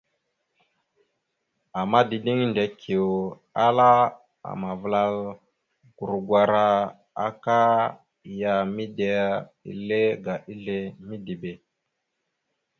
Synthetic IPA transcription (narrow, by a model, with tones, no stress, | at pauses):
a˨ma˦di˨di˦ŋnde˨kʰi˨o˨ | a˦la˦ | a̰˨ma˨vla˨l | ɡ̥u˨ɾɡwa˨ɾa˨ | a̰˨ka˦˨ | ja˨mi˦de˨˦ḭ˨le˦ɡa˨ʔi˦ɮe˦mi˦di˨be˨